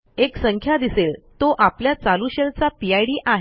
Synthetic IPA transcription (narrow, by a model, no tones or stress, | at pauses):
eksəŋkʰjad̪iselt̪oʔapljat͡saluɕelt͡sapiajɽiːʔaɦe